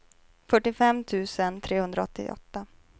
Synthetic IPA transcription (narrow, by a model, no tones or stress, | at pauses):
fœʈːɪfɛmːt̪ʰʉ̟ːsənt̪ʰɾeːhɵnd̪ɾaɔt̪ːɪ̰ʔɔ̰t̪ːa